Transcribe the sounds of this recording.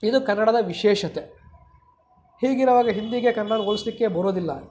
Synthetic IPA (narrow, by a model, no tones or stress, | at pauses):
id̪ukɐnːɐɽɐd̪ɐʋiʃɛːʃɐt̪e | hiːɡiɾɐʋaːɡɐɦind̪iɡekɐnːanuɡolislikːe̞bɐɾoːd̪ilːɐ